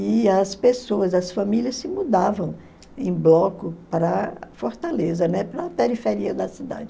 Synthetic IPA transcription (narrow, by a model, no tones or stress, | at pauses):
ɪɐspesoɐzɐsfɐ̃miliɐssɪmud̪avɐ̃w̃ | ẽj̃blɔkʊpɾɐfoɾt̪alezɐnɛpɾɐpeɾifeɾiɐd̪ɐsid̪a̰d͡ʒɪ